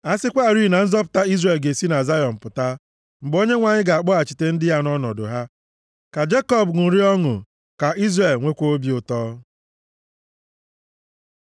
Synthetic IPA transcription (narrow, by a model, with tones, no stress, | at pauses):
a˦sɪ˦kʷa˦˨ɾi˦˨na˨n̩˦zɔ˦p̬ʊ̥˨ta˦i˦zre˨lɡe˨si˦na˨za˦jɔ˨m̩˨pʊ˨ta˦ | m̩˨ɡ͡bo˦ɲe˦ŋʷa˨ɲɪ˦ɡa˨a˨k͡pɔ˦a˨t͡ʃi˨te˦n̩˦dɪ˦ja˦nɔ˦nɔ̰˨dʊ̰˨ɦa˦ | ka˨d͡ʒe˦kɔ˦˨bŋʊ˨ɾi˦ɔ˦ŋʊ̰˨ | ka˨ʔi˦zre˨lŋʷe˦kʷo˦o˦bi˨˦ʊ˨tɔː˦